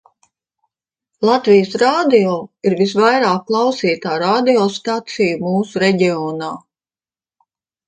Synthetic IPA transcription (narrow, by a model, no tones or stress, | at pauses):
lˠat̪vijəsɾaːd̪iɔːiɾvis̬vajɾaːk̚kːlˠɑwsiːt̪aːɾaːd̪iɔːst̪at̪sijumuːsuɾɛɟʲiɔːnaː